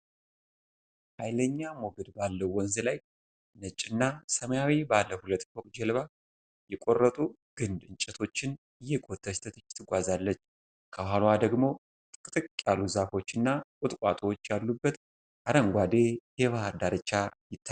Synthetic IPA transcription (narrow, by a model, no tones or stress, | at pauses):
hajləɲːamoɡəd̪balːəwwːɔnzɨlaj | nət͡ʃʼːɪnːasəməjawibalːəhulət̪ːfʰokʼd͡ʒɛlβa | jɛkʼorːət̪ʼu | ɡ̥ɨnd̪ɨnt͡ʃʼːɛt̪ʰo̞t͡ʃːɪn | ɨjːɛkʼot̪ʰːəst̪ʰət̪ːt̪ʰɨɡʷazalːət͡ʃː | kʰəɦalwad̪əɡmo̞ | t̪ʼɨkʼɨt̪ʼɨkʼkʼːaluzafo̞t͡ʃːɨnːakʼʊt̪ʼkʷʼat̪ʼwot͡ʃːjalːubːət̪ | ʔaɾəŋɡʷad̪e̞jɛβahəɾd̪aɾɨt͡ʃːajɪt̪ːa